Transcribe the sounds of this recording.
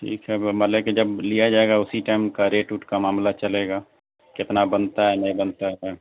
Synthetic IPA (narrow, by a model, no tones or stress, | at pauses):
ʈʰḭːkɦɛmɐt̪ləbkid͡ʒɐblijad͡ʒaːeɡaʊsiʈaːɪmkaɾeːʈuːʈkamaːmlat͡ʃɐleːɡaː | kɪt̪nabɐnt̪aɦɛnɐɦĩbɐnt̪aɦɛ